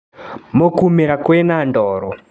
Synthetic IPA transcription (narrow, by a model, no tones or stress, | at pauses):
mokumiɾakwenandɔːɾɔ